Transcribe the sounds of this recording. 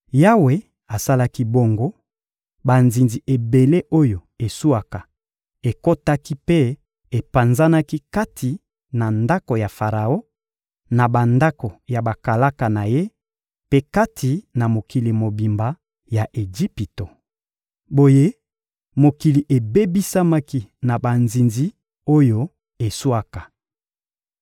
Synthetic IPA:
ja˦we˨ | a˨sa˦la˦ki˦bo˦ŋɡo˦ | ba˨nzi˨nzi˨ʔe˨be˨le˦ʔo˦jo˨e˨su˦a˨ka˨ | e˨ko˦ta˦ki˦pe˦ | e˨pa˨nza˦na˦ki˦ka˦tʰi˨ | na˨nda˦ko˨ja˨fa˨ʁa˨o˦ | na˨ba˨nda˦ko˨ja˨ba˨ka˨la˦ka˨na˨je˦ | pe˦ka˦tʰi˨na˨mo˨ki˨li˨mo˨bi˨mba˨ | ja˨ʔe˨d͡ʒi˦pi˨to˨ | bo˨je˦ | mo˨ki˨li˨ʔe˨be˦bi˦sa˦ma˦ki˦na˨ba˨nzi˨nzi˦ | o˦jo˦ | e˨su˦a˦ka˨

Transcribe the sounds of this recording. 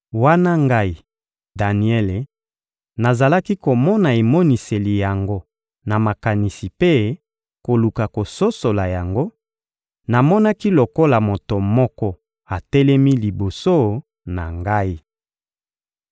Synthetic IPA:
wa˦na˦ŋɡa˦i˨ | da˨ni˨ɛ˦le˨ | na˨za˨la˦ki˦ko˨mɔ˦na˨e˨mɔ˦ni˨se˨li˨ja˨ŋɡo˦ | na˨ma˨ka˨ni˨si˨pe˦ | ko˨lu˨ka˨ko˨so˦so˨la˨ja˨ŋɡo˦ | na˨mɔ˦na˦ki˦lo˨ko˦la˨mo˨to˨mɔ˦kɔ˦ | a˨tɛ˦lɛ˦mi˦li˨bo˨so˦ | na˨ŋɡa˦i˦

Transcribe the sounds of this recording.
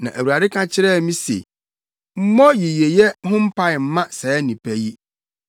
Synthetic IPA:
nã˨ʔæ˨wu˨ɾa˨dɪ˦kʰã˦t͡ɕʰɪ˦ɾɛ˦˨˦mĩ˦sḛ˨ | m̩˦mɔ̃˦ji˨je˨jɛ˦hʊ̃˦m̩˦pʰa˦ɪ˨m̩˦mã˦sɛ˨˦nĩ˨pʰæ˦ji˦

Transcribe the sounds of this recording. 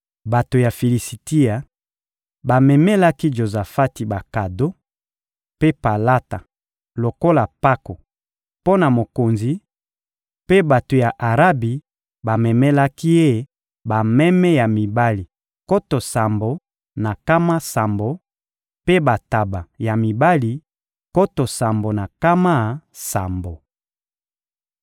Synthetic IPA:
ba˨to˨ja˨fi˨li˨si˨ti˦a˨ | ba˨mɛ˨mɛ˦la˦ki˦ʒo˨za˨fa˦ti˨ba˨ka˨do˦ | pe˦pa˨la˦ta˨ | lo˨ko˦la˨pa˦ko˨ | po˦na˨mo˨ko˨nzi˨ | pe˦ba˨to˨ja˨ʔa˨ʁa˦bi˨ | ba˨mɛ˨mɛ˦la˦ki˦e˦ | ba˨mɛ˦mɛ˦ja˨mi˨ba˦li˨ | ko˦to˨sa˨mbo˨ | na˨ka˦ma˦sa˨mbo˨ | pe˦ba˨ta˨ba˨ja˨mi˨ba˦li˨ | ko˦to˨sa˨mbo˨na˨ka˦ma˦˨sa˨mbo˨

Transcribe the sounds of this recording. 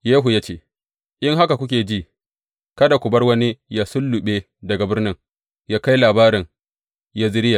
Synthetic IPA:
jeː˦ɦu˨ja˦t͡ʃeː˦˨ | ʔɪ˦ŋɦa˦ka˨kʷʊ˦kʲeː˨d͡ʒiː˦˨ | kɐ˦da˨kʷʊ˨bɐ˦rwɐ˦ni˦ja˦sʊ˦lːʊ˨ɓeː˦ | dɐ˨ɡa˨bɪ˦rnɪ˦ŋ | jaː˦ka˦jlaː˨baː˦ɾɪ˨ŋ | jaː˦zɪ˦ɾɪ˦ja˨

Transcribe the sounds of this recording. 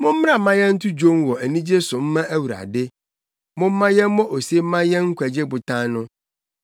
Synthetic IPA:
mʊ̃˦m̩˦m˦a˦˨mã˦jɛ˦n̩˦tʰʊ˦d͡ʑo˦n˦wɔ˨æ˨nĩ˦d͡ʑe˦sʊ̃˨m̩˦mã˦æ˦wu˨ɾa̰˨dɪ˦ | mʊ̃˦m̩˦mã˦jɛ˦mɔ̃˦ʔo˨se˦mã˦jɛ˦ŋ̩˦kʷʰæ˨d͡ʑe˦bʊ˨tʰã˦nʊ̃˦

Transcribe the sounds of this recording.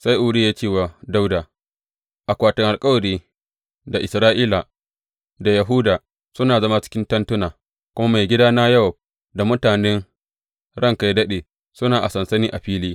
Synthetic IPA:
sa˦jʔʊ˨ɽiː˦jaː˦t͡ʃeː˦˨waː˨da˦wdaː˨ | ʔa˨kʷaː˨tʊ˨ŋʔa˨lkʼɐ˦wɐ˨ɾiː˦ | da˨ʔɪ˨sɾaː˦ʔiː˦la˨ | da˨jɐ˨ɦʊ˦daː˨ | sʊ˦naː˨zɐ˦ma˦t͡ʃɪ̥˦kʲɪ˦ntɐ˦ntʊ˦naː˨ | kʷʊ˦ma˦ma˨jɡʲɪ˦daː˦naː˦jɐ˦hɔ˨b̚ | da˨mʊ˦taː˨nɛ˦ŋ | ɽɐ˦˨ŋka˦jdɐ˦ɗeː˨ | sʊ˦naː˨ʔa˨sɐ˨nsɐ˦niː˦ʔa˨ɸiː˦liː˦

